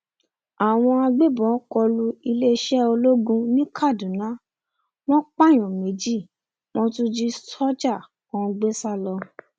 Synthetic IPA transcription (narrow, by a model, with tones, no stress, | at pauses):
a˨w̃ɔ̃˧a˧ɡ͡be˦bɔ̃˨˦kɔ˧lu˧i˧le˦˧ʃɛ˦o˧lo˦ɡũ˧nĩ˦kʰa˦˨dũ˨nã˨˦ | w̃ɔ̃˦k͡pa˦˨j̃ɔ̃˨me˨˦d͡ʒi˦˨ | wɔ̃˦tũ˦d͡ʒi˦sɔ˦d͡ʒa˦˨ | kɔ̃˧ɡ͡be˦sa˦lɔ˧